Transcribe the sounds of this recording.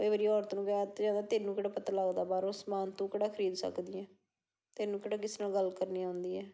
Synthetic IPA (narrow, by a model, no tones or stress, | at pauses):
oeːbəɾiːɔːɾt̪nũːkɛt̪ːd͡ʒãːnd̪aːt̪eːnũːkəɽaːpət̪aːlaɡd̪aːbaːɾõːsmaːnt̪ũːkəɽaːkʰəɾiːd̪sə̰kd̪ɪɛ̃ː | t̪eːnũːkɪɽaːkɪsnaːɡəlkəɾniːɦʊ̃nd̪iːɛː